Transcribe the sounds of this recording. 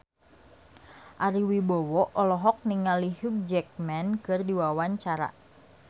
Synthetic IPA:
ʔaɾiwibɔwɔʔɔlɔɦɔk̚niŋaliɦuk̚d͡ʒɛk̚mɛnkɨrdiwawaɲt͡ʃaɾa̰

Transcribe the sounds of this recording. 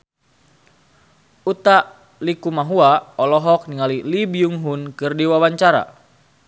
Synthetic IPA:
ut̪aʔ | likumaɦuaɔlɔɦɔk̚niŋalilibiuŋɦunkɨrdiwawaɲt͡ʃaɾa̰

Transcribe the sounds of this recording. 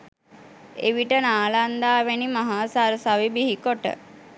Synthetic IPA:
ḛʋiʈənaːland̪aːʋenimaɦaːsaɾsaʋibiɦikoʈə̰

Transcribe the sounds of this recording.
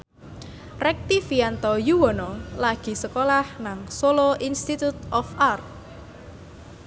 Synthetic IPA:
rɛk̚t̪ifiant̪ɔjuwɔnɔlaɡ̥i̤səkolahnaŋsoloʔinst̪it̪ut̪̚ɔfʔart̪̚

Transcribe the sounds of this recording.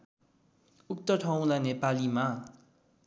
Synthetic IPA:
uk̚t̪ʌʈʰaw̃lanepalima

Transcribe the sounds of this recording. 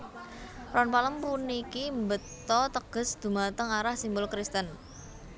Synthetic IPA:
rɔnpaləmpunikimbət̪ɔt̪əɡ̥ə̤sd̪̥ṳmat̪əŋaɾahsimbʊlkɾist̪ən

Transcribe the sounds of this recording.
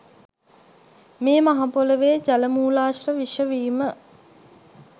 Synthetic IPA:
meːmaɦapoləʋeːd͡ʒaləmuːlaːʃrəʋiʃəʋiːmə

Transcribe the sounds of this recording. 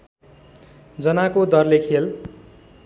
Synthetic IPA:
d͡zʌnakod̪ʌrlekʰel

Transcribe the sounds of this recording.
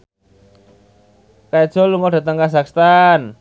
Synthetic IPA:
kaɛd̥ʒ̥ɔ̤luŋɔɖa̤t̪əŋkasakst̪an

